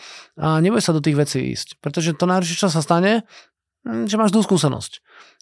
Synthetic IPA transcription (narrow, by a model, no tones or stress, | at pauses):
aɲɛbʊjsad̪ɔt̪̬iːɣʋɛt͡siːḭːscpɾɛt̪ɔʒɛt̪ɔnajɾʃ̬ɛt͡ʃassast̪aɲɛ | ʒɛmaːʒzd̪uːskuːsɛnɔ̰sc